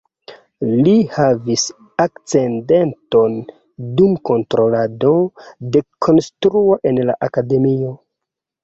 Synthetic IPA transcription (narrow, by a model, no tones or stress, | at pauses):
lihavis | akt͡se̞nde̞nto̞n | dumko̞ntɾo̞lado̞de̞kʰo̞nstɾuo̞ʔe̞nla̰ʔakade̞mio̞